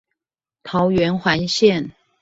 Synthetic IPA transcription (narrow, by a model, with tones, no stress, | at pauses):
t̪ʰɑ˨˥ʊɥɛ˧˥nxwa˧˥nɕjɛ˥˨n